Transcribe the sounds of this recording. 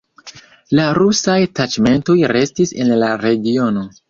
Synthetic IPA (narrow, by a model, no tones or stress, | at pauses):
laɾusajtat͡ʃme̞nto̞jɾe̞stise̞nlaɾe̞ɡio̞no̞